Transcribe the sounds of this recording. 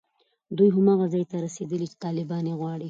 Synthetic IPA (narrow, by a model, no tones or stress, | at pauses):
d̪ujɦamɑɣazɑjt̪aɾased̪əlit͡ʃe̥t̪ɑlɪbɑneɣwɑɽi